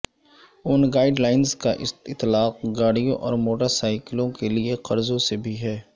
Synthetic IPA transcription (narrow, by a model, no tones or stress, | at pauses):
ʊnɡaːɪɖlaːɪnzkaʔɪsɪt̪ːlaːq̚ɡaːɽijõʔɔ̰ːɾmoːʈəɾsaːɪklõkelieqɐɾzõsebʱiɦɛː